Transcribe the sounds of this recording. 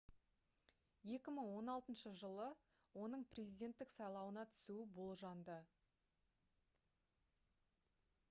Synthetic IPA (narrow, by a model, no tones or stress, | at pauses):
je̞kʲɪməɴwo̞nɑlˠt̪ənʃəʒəlˠə | wo̞nəɴprʲezijd̪ʲe̞nt̪ːɪksɑjlˠɑwənɑt̪ʰʏ̥suɪbo̞lˠʒɑnd̪ə